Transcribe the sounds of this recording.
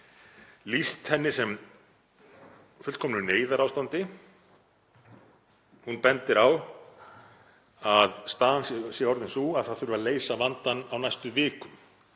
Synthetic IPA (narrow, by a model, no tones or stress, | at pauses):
list̪hɛnːɪsɛm | fʏlkʰɔmnʏneːjðaɾawst̪ant̪ɪ | hunpɛnt̪ɪɾaw | aðst̪aːðanssjɛɔɾðɪnsuaðθaðθʏɾvʏvaleːjsavant̪anawnajst̪ʏvɪːkʏm